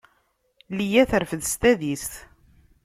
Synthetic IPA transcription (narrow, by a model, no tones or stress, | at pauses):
lijæθəɾfəðst̪æðist̪